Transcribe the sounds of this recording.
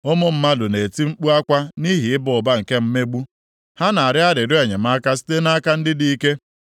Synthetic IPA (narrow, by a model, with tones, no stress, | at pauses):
ʊ˦mʊ˦m̩˦ma˦dʊ˨ne˨ti˦ŋ͡m̩˦k͡pu˦a˦kʷa˦ni˦ɦi˨ɪ˦bʊ˨ʊ˨ba˦ŋ̩˨ke˦m̩˦me˦ɡ͡bu˦ | ha˦na˨a˨ɾɪ˦a˦ɾɪ˨ɾʊ˦a˨ɲe˨m̩a˦ka˦si̥˦te˦na˦ka˦n̩˦dɪ˦di˨i˦ke˦